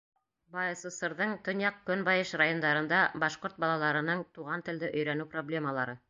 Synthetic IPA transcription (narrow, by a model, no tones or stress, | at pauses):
bɑjɤ̆sɤ̆sɤ̆ɾðɤɴt̪ŏnjɑq̚kɵnbɑjɤʃrajond̪ɑɾɤ̆nd̪ɑbɑʃqoɾt̪̚bɑlˠɑlˠɑɾɤ̆nɤɴt̪uʁɑnt̪ɘ̆ld̪ɘʔɵ̆jɾænʉproblʲe̞məlˠɑɾɤ